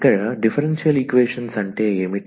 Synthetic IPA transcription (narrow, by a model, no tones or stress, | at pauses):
kːɐɻɐɖifʰɐɾenʂijɐlikʋeːʂɐnsɐɳʈeːeːmi